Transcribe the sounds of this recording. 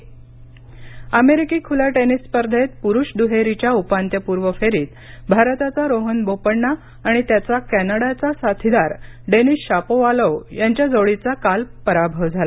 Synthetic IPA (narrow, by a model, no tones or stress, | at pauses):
əmeɾikiːkʰulaʈenisːpəɾd̪ʱet̪̚puɾuːɕd̪uɦeɾit͡ɕjaupant̪jəpuɾʋəfeɾiːt̪ | bʱaɾt̪at͡saɾoɦənbopəɽɳaː | ɽ̃it̪jat͡sakænaɽat͡sasat̪ʰid̪aɾɖenisɕapoʋaləʋjaɲt͡ɕjad͡zoɭit͡sakalpəɾabʱəʋd͡zʱala